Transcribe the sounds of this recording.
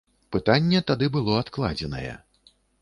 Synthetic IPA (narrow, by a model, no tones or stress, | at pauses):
pɨt̪anʲːɛt̪ad̪ɨbɨlˠɔat̪klˠa̰d͡zʲɛnɐ̰jɛ̰